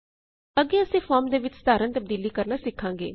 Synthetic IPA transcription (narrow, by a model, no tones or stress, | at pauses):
əɡeːəsĩːfʰɔːɾmd̪eːʋɪt͡ʃsd̪aːɾənt̪əb̚d̪iːliːkəɾnaːsɪkʰːãːŋɡḛː